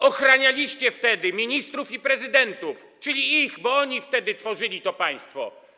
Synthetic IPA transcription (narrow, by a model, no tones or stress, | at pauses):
ɔxɾaɲalʲiɕt͡ɕɛft̪ɛd̪ɘmʲiɲist̪ɾufipɾɛzɘd̪ɛnt̪uf | t͡ʂɘlʲiixbɔɔɲift̪ɛd̪ɘt̪fɔʐɘlʲit̪ɔpaj̃st̪fɔ̰